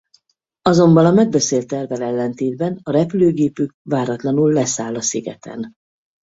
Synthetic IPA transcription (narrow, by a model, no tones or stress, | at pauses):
ɒzo̞mbɒnɒmɛɡ̚bɛseːlt̪ɛrvɛlɛlːɛnt̪eːd̪bɛnɒɾɛpyløːɡeːpyk̚vaːɾɒt̪lɒnulːɛsaːlːɒsiɡɛ̰t̪ʰɛ̰n